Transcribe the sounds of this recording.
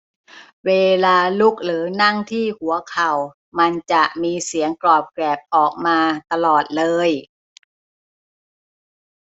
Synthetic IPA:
weː˧laː˧lu˦˥˩k̚ɾɯː˩˦na˥˩ŋt̪ʰiː˥˩hu˩˦ɐkʰa˨˩w | ma˧nt͡ɕa˨˩ʔmiː˧si˩˦əŋklɔː˨˩p̚klɛː˨˩p̚ʔɔː˨˩k̚maː˧t̪a˧lɔː˨˩t̪̚lɤː˧j

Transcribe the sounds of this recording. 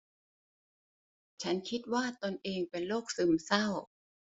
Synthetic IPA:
t͡ɕʰa˦˥nkʰi˦˥t̪̚waː˥˩t̪o˧nʔeː˧ŋpe˧nloː˥˩k̚sɯ˧˩msa˥˩w

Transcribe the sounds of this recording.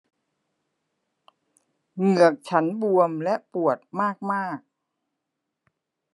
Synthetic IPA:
ŋɯ˨˩ək̚t͡ɕʰa˦˥nbu˧əmlɛ˦˥ʔpu˨˩ət̪̚maː˥˩k̚maː˥˩k̚

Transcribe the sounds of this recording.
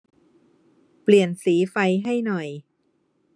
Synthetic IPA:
pli˨˩ənsiː˩˦fa˧jɦa˥˩jnɔ˨˩j

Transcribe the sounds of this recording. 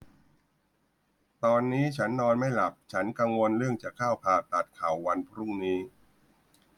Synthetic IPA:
t̪ɔː˧nːiː˦˥t͡ɕʰa˦˥nːɔː˧nma˥˩jla˨˩p̚t͡ɕʰa˦˥nka˧ŋwo˧nɾɯ˥˩əŋt͡ɕaː˨˩kʰːaː˥˩wpʰaː˨˩t̪a˨˩t̪̚kʰaː˨˩˦wːa˧npʰɾu˥˩ŋniː˦˥

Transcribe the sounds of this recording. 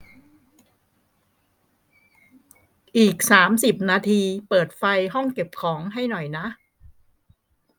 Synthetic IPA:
ʔiː˨˩k̚saː˩˦msi˨˩p̚naː˧t̪ʰiː˧pɤː˨˩t̪̚fa˧jɦɔ˥˩ŋke˨˩p̚kʰɔː˩˦ŋɦa˥˩jnɔ˨˩jna˦˥ʔ

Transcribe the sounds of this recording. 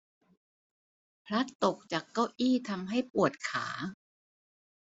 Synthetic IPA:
pʰɾa˦˥t̪ːo˨˩k̚t͡ɕaː˨˩kːa˥˩wʔiː˥˩t̪ʰa˧mɦa˥˩jpu˨˩ət̪̚kʰa̰ː˩˦

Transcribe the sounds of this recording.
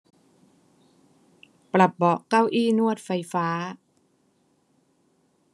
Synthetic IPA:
pla˨˩p̚bɔ˨˩ʔka˥˩wʔiː˥˩˨nu˥˩ət̪̚fa˧jfaː˦˥

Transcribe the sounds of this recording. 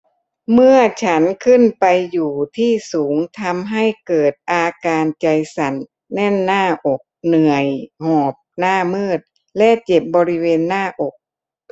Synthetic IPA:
mɯ˥˩ɐt͡ɕʰa˦˥nkʰɯ˥˩npa˧jːuː˨˩t̪ʰiː˥˩suː˩˦ŋt̪ʰa˧mɦa˥˩jkɤː˨˩t̪̚ʔaː˧kaː˧nt͡ɕa˧jsa˨˩nː | ɛ˥˩nːaː˥˩ʔo˨˩k̚nɯ˨˩əjhɔː˨˩p̚naː˥˩mɯː˥˩t̪̚ | lɛ˦˥ʔt͡ɕe˨˩p̚bɔː˧ɾi˦˥weː˧nːaː˥˩ʔo˨˩k̚

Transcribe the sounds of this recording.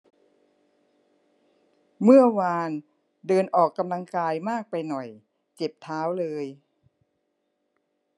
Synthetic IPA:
mɯ˥˩ɐwaː˧n | dɤː˧nʔɔː˨˩kːa˧mla˧ŋkaː˧jmaː˥˩k̚pa˧jnɔ˨˩j | t͡ɕe˨˩p̚t̪ʰaː˦˥wlɤː˧j

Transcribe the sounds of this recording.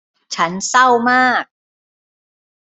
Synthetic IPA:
t͡ɕʰa˦˥nsa˥˩wmaː˥˩k̚

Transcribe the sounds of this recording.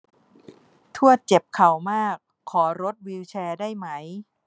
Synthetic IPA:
t̪ʰu˥˩ət͡ɕe˨˩p̚kʰa˨˩wmaː˥˩kʰːɔː˩˦ɾo˦˥t̪̚wi˧wt͡ɕʰɛː˧daː˥˩jma˦˥j

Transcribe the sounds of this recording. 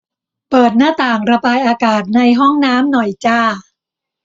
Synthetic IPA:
pɤː˨˩t̪̚naː˥˩t̪aː˨˩ŋɾa˧baː˧jʔaː˧kaː˨˩t̪̚na˧jɦɔ˥˩ŋnaː˦˥mnɔ˨˩jt͡ɕaː˥˩

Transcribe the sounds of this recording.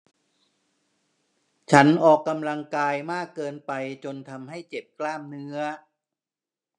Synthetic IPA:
t͡ɕʰa˦˥nʔɔː˨˩kːa˧mla˧ŋkaː˧jmaː˥˩kːɤː˧npa˧jt͡ɕo˧nt̪ʰa˧mɦa˥˩jt͡ɕe˨˩p̚klaː˥˩mnɯ˦˥ɐ

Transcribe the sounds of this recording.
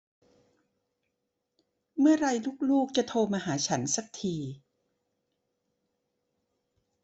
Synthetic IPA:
mɯ˥˩ɐɾa˧jluː˥˩k̚luː˥˩k̚t͡ɕa˨t̪ʰoː˧maː˧ɦaː˩˦t͡ɕʰa˦˥nsa˧˩k̚t̪ʰiː˧

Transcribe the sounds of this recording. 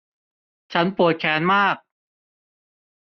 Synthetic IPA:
t͡ɕʰa˦˥npuː˨˩ət̪̚kʰɛː˧˥nmaː˥˩k̚

